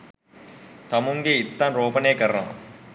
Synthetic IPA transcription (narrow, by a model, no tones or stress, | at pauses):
t̪amuŋɡeit̪ːɐnroːpənejkəɾənɐʋɐ̰